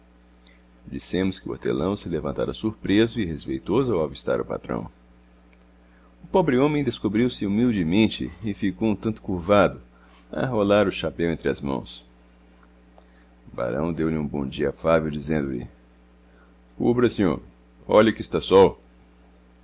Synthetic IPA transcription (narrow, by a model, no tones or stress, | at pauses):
d͡ʒisẽmʊskɪʊo̰t̪ḛlɐ̃w̃sɪlevɐ̃nt̪a̰ɾɐsuɾpɾezʊɪhespejt̪ozʊawavist̪a̰ɾʊpa̰t̪ɾɐ̰̃w̃ | ʊpobɾɪõmẽj̃d̪eskobɾiwsɪumiwd͡ʒɪmẽnt͡ʃɪ̰ɪfikowũt̪ɐ̃nt̪ʊ̥kuɾvad̪ʊ | ɐ̰ɦolaɾʊʃapɛ̃wẽnt̪ɾɪɐzmɐ̰̃w̃s | ba̰ɾɐ̰̃w̃d̪ewlɪũbõ̰d͡ʒiɐafavewd͡ʒizẽnd̪ʊlɪ̰ | kubɾɐsĩo̰m | ɔʎɐʊkɪst̪asɔw